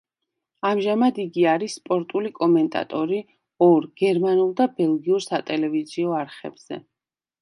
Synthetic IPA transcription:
amʒamad̪iɡiaɾisːpʼɔɾt̪ʼulikʼɔmɛnt̪ʼa̰t̪ʼɔɾi | ɔɾɡ̥ɛɾmanulˠd̪abɛlˠɡiuɾsat̪ʼɛlɛviziɔaɾχɛ̰bz̥ɛ̰

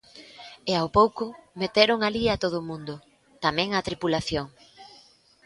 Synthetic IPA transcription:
ɪawpowkʊmet̪eɾʊŋaliat̪oð̞ʊmũnd̪ʊ | t̪amɛ̃ŋat̪ɾipulaθjoŋ

